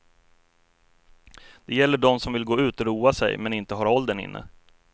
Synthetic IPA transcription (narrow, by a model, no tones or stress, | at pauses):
d̪̥ɛjɛlːəɖɔmsɔmvɪlɡoːʉ̟ːt̪ɔɾuːasɛ̰jmɛnɪnt̪əɦɑːɾɔld̪ənɪ̰nːʔə̰